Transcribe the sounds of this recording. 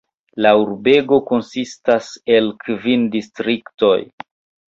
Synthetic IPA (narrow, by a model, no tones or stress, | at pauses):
lauɾbe̞ɡo̞ko̞nsistase̞lkvindistɾikto̞j